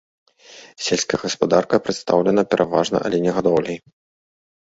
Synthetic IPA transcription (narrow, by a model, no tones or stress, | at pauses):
sʲelʲsʲkɐjɣɐspad̪arkɐpɾɨt̪st̪a̰wlʲɛnɐpʲɛɾʔavaʐnɐ̰ʔa̰lʲɛnʲɛɣad̪ɔwlʲɛj